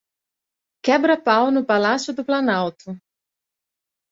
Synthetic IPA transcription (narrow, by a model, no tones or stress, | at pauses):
kɛbɾɐpawnʊpalasjʊd̪ʊplanawt̪ʊ